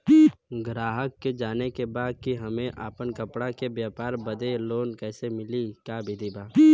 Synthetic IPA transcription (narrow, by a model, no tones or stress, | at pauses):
ɡɾaːɦəkːed͡ʒaːnekebaːd̪̚kiɦɐmẽʔʔaːpənkəpɽakebjaːpaːɾbəd̪eloːnkɛːsemɪlikaːbʱid̪ibaː